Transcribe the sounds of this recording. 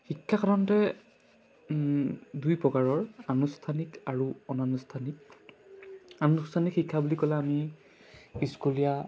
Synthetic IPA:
xikʰːakaɔntɛ | dujpɹɔkaɹɔɹanustʰanikaɹuɔnanustʰanik | anustʰanikxikʰːabulikɔlaami | iskulija

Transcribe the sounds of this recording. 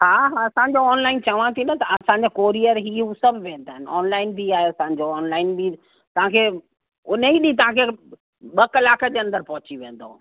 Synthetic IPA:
ɦaːɦaɐsãːɲ̆d͡ʑoɔːnlaːɪnt͡ɕɐʋãt̪ʰinət̪ɐɐsãɲ̆d͡ʑakoːɾijəɾɦiɦusɐbʱʋẽːnd̪aːɦɪnɪɔ̰ːnlaːɪnbʱiaːɦeɐsãɲ̆d͡ʑoɔːnlaːɪnbi | t̪ɐʋ̤ãkʰe | ʊn̤əɦiɗĩt̪ɐʋ̤ãkʰe | ɓɐkɐlaːkəd͡ʑeɐ̃nd̪əɾpɐɦʊt͡ɕiʋẽːn̆d̪o

